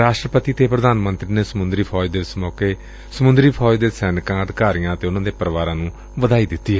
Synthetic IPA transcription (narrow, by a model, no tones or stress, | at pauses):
ɾaːʃʈɾəpət̪iːt̪eːpɾəd̪aːnmənt̪ɾiːneːsəmʊnd̪ɾiːpʰɔːd͡ʒd̪eːɪsmɔːkeː | səmʊnd̪ɾiːpʰɔːd͡ʒd̪eːsɛːnkãːəd̪kaːɾijãːət̪eːʊnãːd̪eːpəɾʋaːɾãːnũː | ʋəd̪aːiːd̪ɪt̪ːiːɦɛ